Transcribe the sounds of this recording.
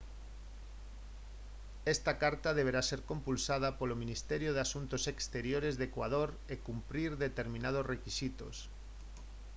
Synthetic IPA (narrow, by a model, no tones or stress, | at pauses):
ɛst̪akaɾt̪aðeβ̞eɾaseɾkompulsað̞apolomĩnist̪ɛɾjoðeasunt̪osekst̪eɾjoɾezðekwað̞oɾ | ekumpɾiɾðet̪eɾmĩnað̞osrekisit̪o̰s